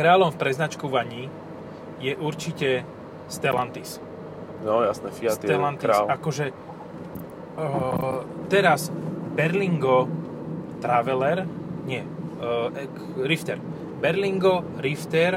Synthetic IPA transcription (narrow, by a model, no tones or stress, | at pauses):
kɾaːlɔmfpɾɛznat͡ʃkuʋaɲi | jɛʔuɾt͡ʃicɛ | st̪ɛlant̪is | nɔjasnɛfiast̪ɛlant̪iaslakɔʒɛ | t̪ɛɾasbɛɾliŋɡɔ | t̪ɾaʋɛlɛɾɲɪɛ | ɛ | ɾift̪ɛɾ | bɛɾliŋɡɔ | ɾift̪ɛɾ